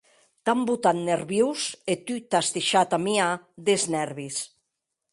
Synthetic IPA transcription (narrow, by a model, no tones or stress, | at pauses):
t̪ambut̪anneɾβjewset̪yt̪ast̪eʃat̪amiad̪eznɛɾβis